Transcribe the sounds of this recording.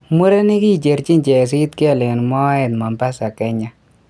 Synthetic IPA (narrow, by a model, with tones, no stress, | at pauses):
mu˦ɾe˦ni˦ki˦t͡ʃe˨ɾt͡ʃi˦nt͡ʃɛ˨s̬i˦tkɛ˦˨le˨nmɔ˦ɛ˨tma˨mpa˦sa˨kɛ˨ɲa˦